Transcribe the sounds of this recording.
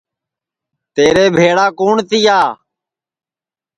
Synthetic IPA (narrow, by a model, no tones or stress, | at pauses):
t̪eːɾeːbʱeːɽaːkuːɳt̪ɪjaː